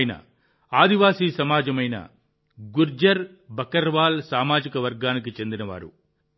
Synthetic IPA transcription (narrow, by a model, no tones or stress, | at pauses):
jnɐ̰ | aːd̪iʋaːsiːsɐmaːd͡ʒɐmɐjnɐ̰ | ɡuɾd͡ʒɐɾ | bɐkɐɾʋaːlsaːmaːd͡ʒikɐʋɐɾɡaːnikit͡ʃe̞nd̪inɐʋa̰ːɾṵ